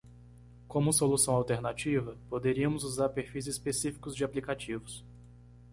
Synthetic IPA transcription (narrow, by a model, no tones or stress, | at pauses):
kõmʊsolusɐ̃w̃awt̪eɾnat͡ʃivɐpod̪eɾiɐmʊzuzaɾpeɾfijzispesifi̥kʊzd͡ʒɪaplikat͡ʃivʊs